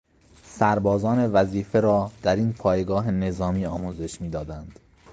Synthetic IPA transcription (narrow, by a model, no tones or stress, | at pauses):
sæɾbɒːzɒːne̞væziːfe̞ɾɒːd̪̥æɾiːnpʰɒːjeɡɒːɦe̞ne̞zɒːmiːɒːmuːze̞ʃmiːd̪ɒːd̪ænd̪̥